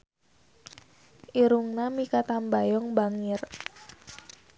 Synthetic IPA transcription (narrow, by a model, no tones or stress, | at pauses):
ʔiɾuŋnamikat̪ambajɔŋbaŋɪr